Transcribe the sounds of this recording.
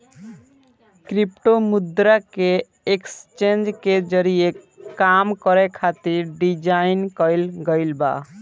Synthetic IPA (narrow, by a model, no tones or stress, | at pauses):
kɾipʈomud̪ɾake | ekst͡ʃend͡ʒked͡ʒəɾie | kamkəɾekʰat̪iɾɖid͡ʒainkəjlɡəɪlba̰